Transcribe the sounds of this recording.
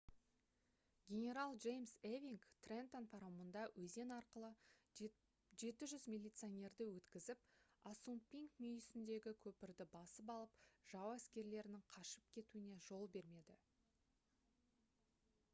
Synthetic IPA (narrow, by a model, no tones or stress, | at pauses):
ɡʲe̞nʲe̞ɾalˠʒe̞jmsevʲiŋkt̪rent̪onpʰɑɾawmənd̪ɑwʔɵze̞nɑɾqəlˠə | ʒe̞t̪ɪʒʏzmʲilʲijt̪sɨonʲe̞ɾd̪ɪwɵt̪kʲɪzɪp̚asumpʲiŋkmʏjsɪnd̪e̞ɡʲɪkʲʰɵpɪɾd̪ɪbɑsəpɑlˠəpʒ̥ɑwæskʲe̞ɾle̞ɾɪnɪŋqʰɑʃəp̚kʲʰe̞t̪uɪne̞ʒo̞lˠbe̞ɾme̞d̪ɪ